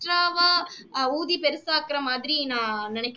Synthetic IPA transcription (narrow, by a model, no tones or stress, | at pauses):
ʈɾaːʋaː | uːðipɛɾɯsaːkɾɐmaːðɪɾinãːnɪnɛkː